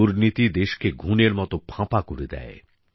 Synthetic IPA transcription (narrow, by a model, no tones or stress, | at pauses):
uɾnit̪id̪eʃkeɡʱuneɾmɔt̪opʰãpakoɾid̪ɛ̰e